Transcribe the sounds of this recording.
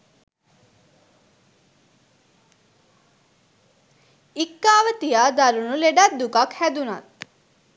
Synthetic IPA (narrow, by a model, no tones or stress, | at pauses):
ikːaːʋət̪ijaːd̪aɾunuleɖat̪̚d̪ukakhæd̪una̰t̪̚